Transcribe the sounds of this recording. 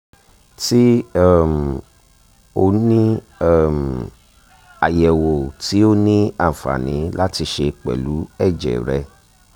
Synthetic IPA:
ti˦ɛ˦˨m˨ | o˧nĩ˦ | ɛ˦m | a˨jɛ˨wo˨ti˨˦o˦nĩ˦ã˦˨fa̰˨nĩ˨˦la˦ti˧ʃe˧k͡pɛ̰˨lu˨˦ɛ˦˨d͡ʒɛ̰˨ɾɛ˧

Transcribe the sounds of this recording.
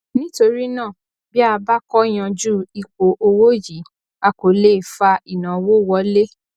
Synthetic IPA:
nĩ˦to˧ɾi˦nãː˦˨ | bi˦a˧ba˦kɔ˦j̃ã˧d͡ʒu˦i˨k͡po˨ʔo˧wo˦ji˨˦ | a˧ko˨˦le˦˨fa˧i˨nã˨wo˦˨wɔ˧˦le˦

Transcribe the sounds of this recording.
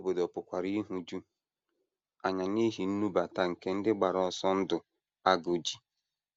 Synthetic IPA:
o˦bo˨dɔ˨pʊ˨kʷa˨ɾi˦ɦu˦d͡ʒu˦ | a˨ɲa˨ɲe˦ɦi˨n̩˦nu˦ba˨ta˨ŋ̩˨ke˦n̩˦dɪ˦ɡ͡ba˨ɾɔ˨sɔ˦n̩˦dʊ˨ | a˦ɡo˨d͡ʒi˦

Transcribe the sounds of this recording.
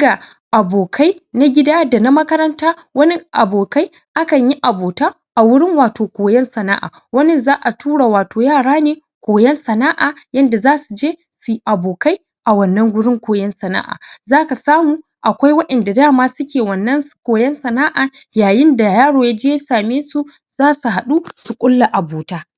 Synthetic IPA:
ɡa˨ | ʔa˨boː˨kʰa˦jna˦ɡʲɪ˦daː˦da˨na˦mɐ˦kɐ˦ɾɐ˦ntaː˦ | wɐ˦nɪ˦ʔa˨boː˨ka˦j | ʔa˦kɐ˨ɲji˦ʔa˨boː˨taː˦ | ʔa˨wʊ˦ɽɪ˦ŋwaː˨toː˨kʷoː˨jɛ˦nsɐ˨na̰ː˦ʔa̰ː˨wɐ˦nɪ˦˨nzaː˦ʔa˨tʰuː˦ɽaː˨waː˨toː˨jaː˦˨ɽaː˦neː˨ | kʷoː˨jɛ˦nsɐ˨naː˦ʔaː˨jɐ˦nda˨zaː˦su˨d͡ʒeː˦ | su˨˦ʔa˨boː˨ka˦j | ʔa˨wɐ˦nːɐ˦ŋɡʷʊ˦ɽɪ˦ŋkʷoː˨jɛ˦nsɐ˨na̰ː˦ʔa̰ː˨zaː˦ka˨saː˦muː˨ | ʔa˨kʷa˦jwɐ˦ɗɐ˨nda˨daː˦˨maː˦sʊ˦kʲeː˨wɐ˨nːɐ˦nkʷoː˨jɛ˦nsɐ˨naː˦ʔaː˨ | jaː˨jɪ˦nda˨jaː˦ɽoː˨jaː˦d͡ʒeː˦jsaː˨meː˦su˦ | zaː˦su˨ɦa˨ɗu˦su˨kʷʼʊ˦lːa˨ʔa˨boː˨taː˦

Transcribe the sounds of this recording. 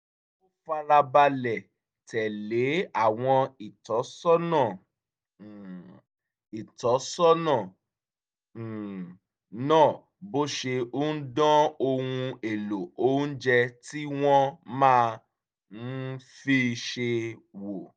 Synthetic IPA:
o˦fa˧ɾa˧ba˧lɛ˨ | tʰɛ˨le˨˦a˦˨w̃ɔ̃˧i˨tɔ˨˦sɔ˦nã˦˨ | i˨tɔ˨˦sɔ˦nã˦˨ | nãː˦˨ | bo˦ʃe˧o˦n̩˦dɔ̃˦o˧wũ˧e˨lo˨õ˦d͡ʒɛ˧ti˦w̃ɔ̃˦mãː˦˧ | n̩˦fi˦˧ʃe˧wo˨

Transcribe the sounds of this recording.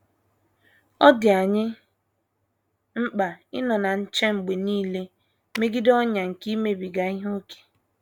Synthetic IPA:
ɔ˦dɪ˨a˨ɲɪ˦ | ŋ͡m̩˦k͡pa˨ɪ˦nɔ˨na˨n̩˦t͡ʃe˦ŋ͡m̩˨ɡ͡be˨niː˦le˦ | me˦ɡi˦dɔ˦ɲa˨ŋ̩˨ki˦me˨bi˨ɡa˨i˦ɦo˦ke̥˨

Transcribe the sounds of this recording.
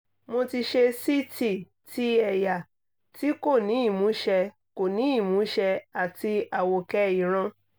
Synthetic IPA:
mo˧ti˧ʃe˧si˦tʰi˦˨ | tʰi˦ɛ˦˨ja˨ | ti˦ko˦˨nĩ˨˦i˦˨mũ˨˦ʃɛ˧ | ko˨nĩ˨˦i˦˨mũ˨˦ʃɛ˧a˨ti˧a˨wo˨kɛ˧i˨ɾ̃ã˧

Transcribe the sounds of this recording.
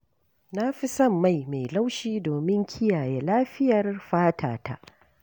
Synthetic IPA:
na˦ɸi˦sɐ˦˨mːa˦˨jme˨jla˦wʃiː˦doː˨mɪ˦ŋkʲʰɪ˦jaː˨je˦laː˦ɸɪ˦jɐ˨rɸaː˦tʰaː˨ta̰˦ʔ

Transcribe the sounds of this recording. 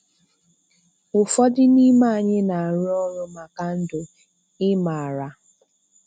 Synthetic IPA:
ʊ˨fɔ˦dɪ˦ni˦ma˦a˨ɲe˦na˨a˨ɾʊ˦ɔ˦ɾʊ˦ma˨ka˨n̩˦dʊ˨ | ɪ˦ma˨ɾa˨

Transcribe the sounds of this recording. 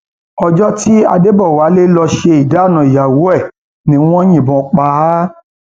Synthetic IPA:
ɔ˧d͡ʒɔ˦ti˦a̰˧de˦bɔ˦˨wa˨˦le˦lɔ˧ʃe˧i˨da˨˦˨nã˨i˨ja˨wo˨˦ɛ˦˨ | nĩ˦w̃ɔ̃˦j̃ĩ˦˨bɔ̃˧˦k͡pa˧˦

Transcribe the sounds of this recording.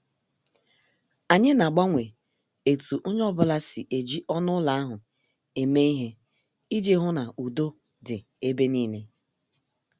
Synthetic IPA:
a˨ɲɪ˦na˨ɡ͡ba˦ŋʷe˨ | e˨tu˨ʔʊ˦ɲ˦ɔ˦bʊ˦la˦si˨ʔe˨d͡ʒi˦ʔɔ˦nʊ˦la˨a˦ɦʊ˨ | e˨me˦i˦ɦe˦ | i˦d͡ʒe˦ɦʊ˦na˨ʔu˨do˦ | dɪ˨ | e˦be˦niː˦ne˦

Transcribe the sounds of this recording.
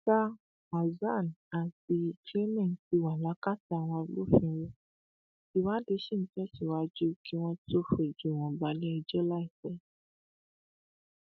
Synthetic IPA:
ta˦ | ma˨za˦˨n˨a˨ti˧˨kle˦mɛ̃˦˨ti˧wa˨la˨˦ka˦˨ta˨˧˨w̃ɔ̃˧lo˦fĩ˧wo˧ | i˨wa˦de˨˧˦ʃi˦˨ñ̩˨˦tɛ˦ti˨wa˧˦d͡ʒu˦kʰi˦w̃ɔ̃˧to˦fe˨d͡ʒu˨w̃ɔ̃˨ba˨˦li˦ɛ˧d͡ʒɔ˦la˦i˦˨sɛ˨˦

